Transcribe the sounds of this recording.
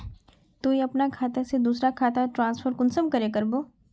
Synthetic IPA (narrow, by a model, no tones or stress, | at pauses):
t̪uiɐpnakʰaːt̪esed̪uːsɾakʰaːt̪aʈɾãːnsfʰəɾkʊnsəmkɐɾekɐɾboː